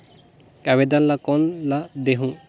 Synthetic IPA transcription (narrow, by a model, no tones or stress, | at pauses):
kaβed̪anlakɔnlad̪eɦũ